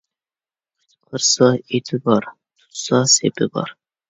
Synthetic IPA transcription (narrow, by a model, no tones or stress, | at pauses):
qʰəɾsɑet̪ʰɪbɑɾ | t̪ʰʊ̥t̪sɑsepɪbɑ̰ɾ